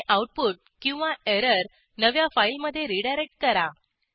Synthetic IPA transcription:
ʔauʈ̚puʈ̚kĩw̃ʋaeɾəɾ | nəʋjafailməd̪ʱːjeɾiɽajɾek̚ʈ̚kəɾa

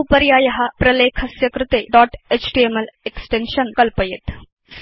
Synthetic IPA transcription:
upɐɾjaːjɐɦɐpɾɐleːkʰɐsjɐkɾɪt̪eːɖɔːʈeːt͡ʃʈiemeleksʈenʃɐnkɐlpɐjet̪

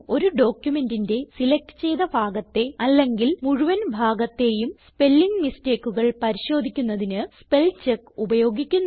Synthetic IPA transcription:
o̞ɾuɖo̞ːkjume̞ndinde̞silek̚ʈɨ̥t͡ɕe̞jðɐbʱaːɡɐt̪ːe̞ɐlːe̞ŋɡilmuɻuʋɐnbʱaːɡɐt̪ːe̞jumspe̞lːiŋɡniste̞ːkːuɣɐɭpɐɾiɕo̞ːd̪ʱikʲːunːɐðinɨspe̞lt͡ɕekːubɐjo̞ːɡikʲːunː

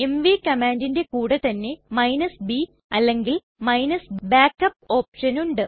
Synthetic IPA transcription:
e̞mʋikɐmaːndinde̞kuːɽet̪ɐnːe̞mɐjnɐsbi | ɐlːe̞ŋɡil | mɐjnɐsbaːkːɐp̚o̞ːpʂɐnuɳɖɨ

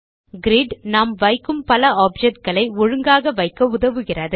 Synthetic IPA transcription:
ɡɪɾɪɖnaːmʋɐɪkːɯmpɐlɐaːp̚d͡ʒɛʈ̚ɡɐɭɐɪɔɻɯŋɡaːɣɐʋɐɪkːɐʊðɐʋɯɣɪrɐðɯ

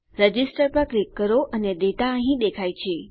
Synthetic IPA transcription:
ɾəd͡ʒisʈəɾpə̃klikːəɾoʔəned̪eʈ̪aəɦĩd̪ekʰajt͡ʃʰe

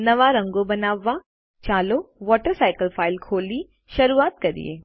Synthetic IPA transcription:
nɐʋaɾɐ̃ŋɡobɐnaːʋa | t͡ʃaːloʋɔːʈəɾsaːɪkəlfʰaːɪlkʰoːli | ʃɐɾuːaːt̪̚kɐɾḭḛː

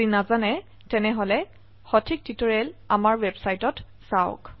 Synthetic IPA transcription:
inazanɛ | tɛnɛɦɔlɛ | xɔtʰik̚titɔɹɛlamaɹwɛbsajtɔt | saʊ̰k

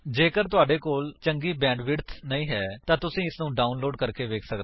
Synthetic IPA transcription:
d͡ʒeːkəɾt̪ʊaːɖeːkoːlt͡ʃəŋɡiːbɛ̃ːɳɖʋɪɽt̪ʰnəĩːɦɛːt̪ãːt̪ʊsĩːɪsnũːɖaːʊnloːɖkəɾkeːʋeːkʰsəkd̪

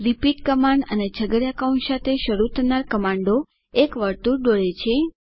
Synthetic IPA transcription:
ɾipiʈkəmaɳɖə̰ned͡ʒʱəɡəɾjakaunsat̪ʰeʃəɾut̪ʰənaɾkəmãɳɖo | ekʋəɾt̪uɖoɭet͡ʃʰe

